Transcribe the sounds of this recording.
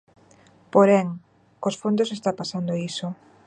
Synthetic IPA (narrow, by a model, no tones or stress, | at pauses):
poɾɛŋ | kosfond̪osest̪apasand̪oiso